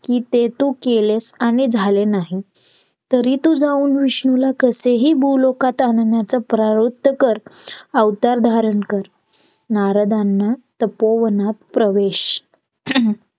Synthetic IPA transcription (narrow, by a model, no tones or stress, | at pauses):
kiːt̪et̪uːkelesaɽ̃id͡zʱalenaɦi | t̪əɾiːt̪uːd͡zauːnʋiɕɳulakəseɦiːbʱuːlokat̪annjat͡səpɾaɾut̪ːəkəɾəwt̪aɾd̪ʱaɾənkəɾ | naɾəd̪anːat̪əpoʋənat̪pɾəʋeɕ